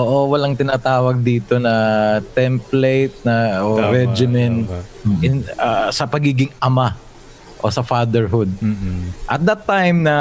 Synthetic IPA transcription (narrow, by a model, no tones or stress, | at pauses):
ʔoːʔo̞wɐlaŋt̪ɪnaːt̪aːwɐɡ̚d̪iːt̪onɐt̪ɛmplejt̪̚nɐoɾɛd͡ʒɪmɛnt̪ɪnɐsɐpɐɡiːɡɪŋɐma | ʔo̞sɐfaːd̪ɛɹɦʊd̪̚ʔɐt̪̚d̪ɐt̪ːajmnɐ